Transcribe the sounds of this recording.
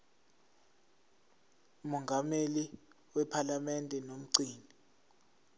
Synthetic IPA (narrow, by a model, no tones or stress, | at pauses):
umɔŋɡʱameli | wɛpʰalamɛndʼʱɛnom̩ǀiːni